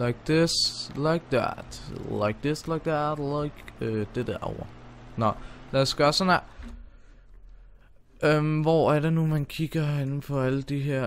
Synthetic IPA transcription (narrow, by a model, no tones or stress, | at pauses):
laɪk̚ð̥ɪslaɪk̚ðæ̰tlaɪk̚dɪslaɪɡ̚ðætlaɪkød̥ed̥æɐɒ̰ʊɐnɒlæːsɡ̥ɶɐsɔnæ | ømʋɒæɐɾ̥enumænkʰiɡ̥ɐenn̩fʰɒ̽æləd̥iɦeɐ̰